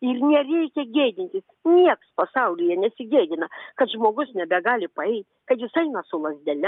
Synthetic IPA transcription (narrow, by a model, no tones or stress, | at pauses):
ɪrnʲɛrʲɛɪkʲɛɡʲeːd̪ʲɪnʲt̪ʲɪsnʲiɛkspɐsɑʊlʲɪjɛnʲɛsʲɪɡʲeːd̪ʲɪnɐkɐt̪ʒmoːɡʊsnʲɛbʲɛɡɑːlʲɪpɐɛɪt̪ʲkɐɪjɪsɐɪnɐsʊlˠɐzʲd̪ʲɛlʲɛ